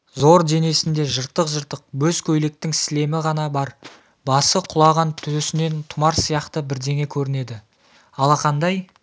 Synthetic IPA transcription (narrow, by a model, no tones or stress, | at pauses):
zo̞ɾd̪e̞ne̞sɪnd̪e̞ʒəɾt̪ːəqʒəɾt̪əq̚wɵzkʲʰɵjle̞k̚t̪ɪŋsɪle̞mɪʁɑn̪ɑbɑɾ | bɑsəqʰʊlˠɑʁɑnt̪ʰɵsɪne̞nt̪ʰʊmɑɾsijɑqt̪əbɪɾd̪e̞ŋe̞kʲʰɵɾɪne̞d̪ɪ | ɑlˠɑqʰɑnd̪ɑj